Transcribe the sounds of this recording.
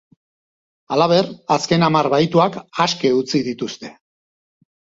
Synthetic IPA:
alaβ̞e̞raske̞namarβajt̪uakaske̞ut͡siðit̪ust̪e̞

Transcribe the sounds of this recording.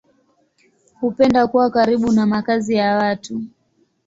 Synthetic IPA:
hupɛndakuwakaɾiɓunamakazijawatu

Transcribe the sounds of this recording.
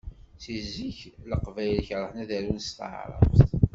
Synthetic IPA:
θizːiçləqvæjlçɾˤəħnæðæɾunst̪ə̰ʕɾˤɑ̰ft̪

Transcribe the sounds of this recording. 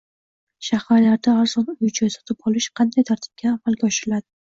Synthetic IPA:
ʃahaɾlaɾd̪aːɾz̥ɒnʊjt͡ʃʰasɒ̥t̪ʰɪpɒlˠɪʃqʰɑnd̪ajt̪ʰaɾt̪ʰɪ̥b̚kʲʰaːmalɡʲaɒʃɪɾɪlad̪ɪ

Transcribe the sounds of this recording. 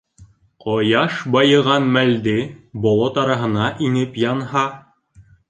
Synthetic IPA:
qɒjɑʃbɑjɤ̆ʁɑnmæld̪ɘbɒlˠɑt̪ɑɾɑɦɤ̆nɑʔinɘpjɑnhɑ

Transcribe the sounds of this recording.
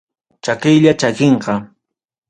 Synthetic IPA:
t͡ʃakɪjʎat͡ʃakeɴqɑ

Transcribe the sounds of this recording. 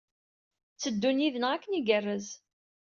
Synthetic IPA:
t͡sːəd̪ːuniðənʁækːəniɡərːəz

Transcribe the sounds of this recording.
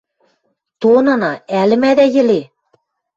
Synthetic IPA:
t̪onɑnɑælɘ̆mæd̪æjɘ̆le

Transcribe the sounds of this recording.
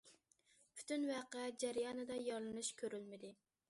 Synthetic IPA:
pʰy̥t̪ʰynwæqɛd͡ʒæɾjɑnɨd̪ɑjɑɾlˠɨnuʃkʲʰøɾylmɪd̪ɪ

